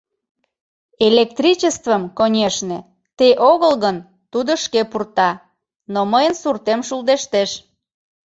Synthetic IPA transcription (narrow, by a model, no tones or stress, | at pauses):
elek̚t̪rʲit͡ɕest̪vəmkonʲeʃnĕ | t̪eʔoɣəlɣən | t̪ud̪oʃkepurt̪ɑ | noməjənsurt̪emʃuld̪eʃt̪eʃ